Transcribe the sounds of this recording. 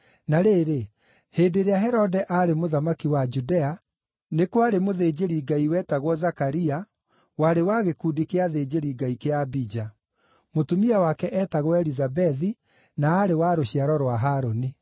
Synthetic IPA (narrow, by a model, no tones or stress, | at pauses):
naɾeːɾe | heːdeɾeaɦɛɾɔdɛʔaɾemoðamakiwad͡ʒudɛa | nekwaɾemoðed͡ʑeɾiɡaiwɛːtaɣwɔzakaɾia | waɾewaɣekuːdikeaðed͡ʑeɾiɡaikeabid͡ʒa | motumiawakɛʔɛːtaɣwɛɾizabɛði | naːɾewaɾoɕiaɾɔɾwaɦaːɾoni